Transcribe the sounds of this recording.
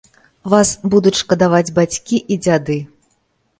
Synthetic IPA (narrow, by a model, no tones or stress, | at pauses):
vasbud̪ut͡sʲʂkɐd̪avad͡zʲbat͡sʲkʲiʔid͡zʲad̪ɨ